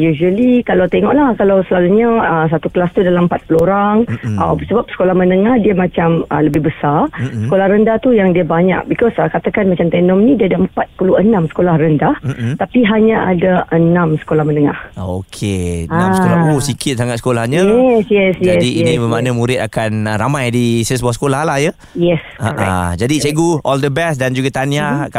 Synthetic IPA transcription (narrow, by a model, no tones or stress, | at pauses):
juʒuəlikalawt̪eŋɔ̰ʔlahkalawsəlaluɲaəsat̪uklast̪udalaməmpat̪̚puluoɾaŋʔa̰bəsəbap̚sə̥kolahmənəŋahdiəmat͡ʃamə̰ləbɪhbəsarsə̥kolahɾəndaht̪ujaŋdiəbaɲa̰k̚bikɔsəkat̪akanmat͡ʃamt̪ɛnɔmnĩdiəadaəmpat̪̚puluənãmsə̥kolahrəndaht̪apiɦaɲaʔa̰daʔənãmsə̥kolahmənəŋa̰hokʰeaaousikʰɪt̪̚saŋat̪̚sə̥kolahɲaɛsjɛsjaɛdiinibəmaʔnamuɾɪt̪̚akanɾamajdisəsbɔsə̥kolahlahjə | jɛskaa̰d͡ʒadit͡ʃeɡuɔldəbɛsdand͡ʒuɡat̪aniaka